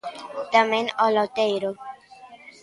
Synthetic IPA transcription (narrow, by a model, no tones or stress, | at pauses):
t̪amẽnɔlot̪ejɾo